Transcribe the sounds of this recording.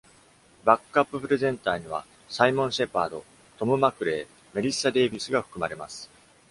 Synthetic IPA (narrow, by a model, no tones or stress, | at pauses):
bakɯapːɯ̟pɯ̟ɾe̞zẽ̞nt̪aːɲ̟iβ̞a̰ | saimõ̞ɰ̃ɕe̞paːd̪o̞̰ | t̪o̞mɯ̟makɯ̟ɾe̞ː | me̞ɾʲisad̪e̞ːbʲisɨɡaɸɯ̥kɯ̟maɾe̞masɨ̥